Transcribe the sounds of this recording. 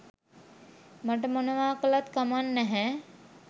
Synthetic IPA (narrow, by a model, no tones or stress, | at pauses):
maʈ̬əmonəʋaːkəlat̪kamanːɛɦɛ